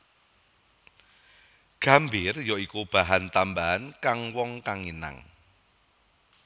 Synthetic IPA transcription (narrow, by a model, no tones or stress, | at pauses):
ɡ̥a̤mbɪrjɔikub̥a̤ɦant̪ambaɦankaŋwɔŋkaŋina̰ŋ